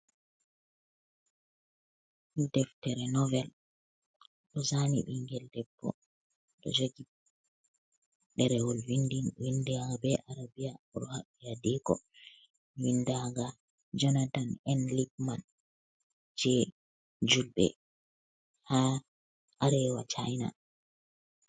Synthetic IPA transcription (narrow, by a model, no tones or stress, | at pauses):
dɛftɛɾɛnɔvɛl | ɗɔsanḭɓiŋɡɛldɛbːɔ̰ | ɗɔ̰d͡ʒoɡi | ɗɛɾɛwɔlwindinwindaaɡabɛʔaɾabijaɔɗɔhaɓːijadikɔ̰ | windaɡa | d͡ʒɔnatanɛnlip̚man | d͡ʒɛ | d͡ʒulbɛ̰ | ha | ʔaɾɛwat͡ʃajna̰